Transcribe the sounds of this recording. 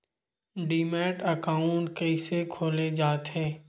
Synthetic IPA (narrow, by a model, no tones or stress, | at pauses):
ɖiːmɛːʈəkaːʊ̃ɳʈkɛɪsekʰoːled͡ʒaːt̪ɦɛː